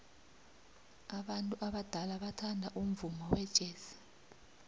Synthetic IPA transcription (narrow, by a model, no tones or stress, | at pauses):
aɓantʼuʔaɓad̥ʱalaɓatʰandʱaʔum̩vumɔwɛd̥ʒ̥ʱeːsi̥